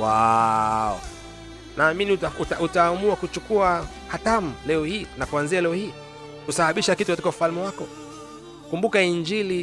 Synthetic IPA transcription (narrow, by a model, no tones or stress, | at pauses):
wa | ɔ̰ | naːminiutautautaːmuakut͡ʃukua | hatam̩lɛɔhiːnakuanzialɛɔhiː | kusaɓaɓiʃakitukatikaufalmɛwakɔ | kumbukaiɲd͡ʒili